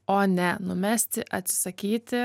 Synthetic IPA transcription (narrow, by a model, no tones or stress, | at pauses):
oːnʲɛnʊmʲæːsʲt̪ʲɪʔɐt̪ʲsʲɪ̥sɐkʲiːt̪ʲɪ